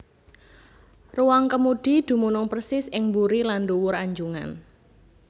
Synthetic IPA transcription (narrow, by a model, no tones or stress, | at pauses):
ruwaŋkəmud̥i̤d̪̥ṳmunɔŋprsɪsɪŋmbuɾilanɖuwʊɾaɲd͡ʒuŋa̰n